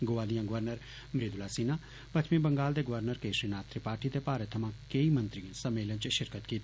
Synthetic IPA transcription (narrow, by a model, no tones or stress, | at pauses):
ɡoːʋaːlijãːɡəʋəɾnəɾ | mɾed̪ʊlaːsiːnaː | pɐt̪ʰmẽbəŋɡaːld̪eːɡəʋəɾnəɾkeːsɾinaːt̪ɾipaːɾʈit̪epaːɾət̪ʰːəmãːkeimə̃nt̪ɾijãsɐmːeːlənt͡ʃʃɪɾkət̪kiːt̪ː